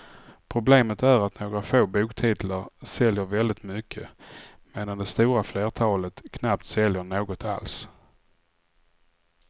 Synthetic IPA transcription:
pʰɾʊbleːmət̪æɾat̪noːɡɾafoːbuːkt̪ʰiːt̪laɾsɛljəɾvɛld̪ɪt̪mʏkʰːə | meːd̪and̪ɛst̪uːɾafleːʈ̪ʰɑːlət̪kʰnap̚t̪sɛljəɳoːɡɔt̪ʰa̰ls

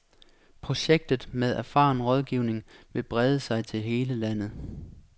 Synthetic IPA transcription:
pʰʁo̝ɕeɡ̥̚d̥ð̩ˠmeðˠæɐfɑ̰̈ːnʁɒ̽ð̞ˠɡ̥iʊne̝ŋʋe̝b̥ʁɛðˠəsɑ̈ɪt͡sʰe̝lɦe̝ːləlænð̩ˠ

